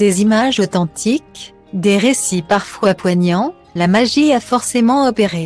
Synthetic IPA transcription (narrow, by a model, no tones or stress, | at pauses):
d̪̥ezimaʒot̪ɑ̃t̪ʰik | d̪eʁesipaʁfwapwaɲɑ̃ | lamaʒiafɔʁsemɑ̃ɔpeʁe